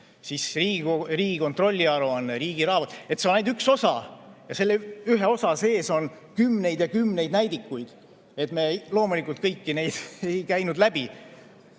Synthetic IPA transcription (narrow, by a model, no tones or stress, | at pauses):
sisriːɡriːɡ̥iko̞nt̪ro̞lʲːiɑɾuɑnːeɾiːɡ̥iɾɑːvɑt̪ˑe̞t̪ːseonejd̪ykso̞sɑ̰jɑse̞lːeyɦe̞o̞sɑse̞ːso̞n | kymːne̞jd̪jɑkymːne̞jd̪næjd̪ikːujd̪̥ | e̞t̪me̞lo̞ːmulikːˑult̪̚kɤjkːine̞jd̪̥e̞jkæjnud̪læbi